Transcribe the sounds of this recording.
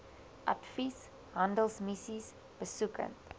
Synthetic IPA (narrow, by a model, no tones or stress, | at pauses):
ʔɐtfis | hɐndəlˠsmisis | b̥əsukə̰nt